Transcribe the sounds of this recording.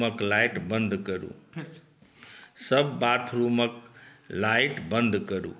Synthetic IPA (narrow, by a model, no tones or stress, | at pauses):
əklaɪʈbə̃nd̪ʱkəɾṵː | səbːaːt̪ʰɾuːməklaɪʈbə̃nd̪kəɾṵː